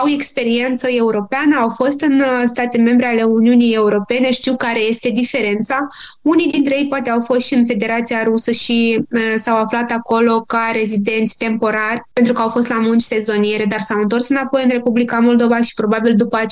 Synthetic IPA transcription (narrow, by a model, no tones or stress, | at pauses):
awe̞kspe̞ɾie̞nt̪səe̞uɾo̞peanəawfo̞st̪ɨnst̪at̪e̞me̞mbɾe̞ale̞uniunije̞uɾo̞pe̞ne̞ʃt̪iwkaɾe̞je̞st̪e̞d̪ife̞ɾe̞nt̪saunijd̪int̪ɾejejpoat̪e̞awfo̞st̪ʃiɨnfe̞d̪e̞ɾat̪sijaɾusəʃisawaflat̪ako̞lo̞kaɾe̞zid̪e̞nt̪sʲt̪e̞mpo̞ɾarʲpent̪ɾukəawfo̞s̬t̪lamunt͡ʃʲse̞zo̞nijeɾe̞d̪arsawɨnt̪o̞rsɨnapo̞jɨnre̞publikamo̞ld̪o̞vaʃi̥pɾo̞babild̪upəa